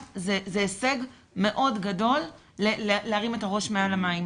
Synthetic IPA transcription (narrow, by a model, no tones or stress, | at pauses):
zezeːse̞ɡ | me̞ʔo̞dɡado̞lː | elleaʁime̞taʁo̞ʃmealamaim